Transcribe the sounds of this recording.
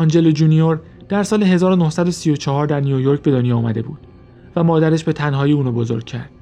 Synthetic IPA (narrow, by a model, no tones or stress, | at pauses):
ɒnd͡ʒe̞lod͡ʒunioɾ | d̪̥æɾsɒːleɦe̞zɒːɾono̞hsæd̪o̞sijo̞t͡ʃʰɒɦɒːɾd̪æɾniojoɾc̚be̞d̪o̞njɒːumæ̰d̪e̞bṵːd̪̥ | væmɒːd̪æɾeʃbe̞t̪ʰænɦɒːiuːnubo̞zo̞̰ɾɟ̥̚cʰæ̰ɾd̪̥̚